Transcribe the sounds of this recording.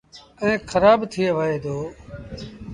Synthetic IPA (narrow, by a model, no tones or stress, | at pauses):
əẽːxʰəɾaːbt̪ʰɪeːʋəːɦeːd̪oː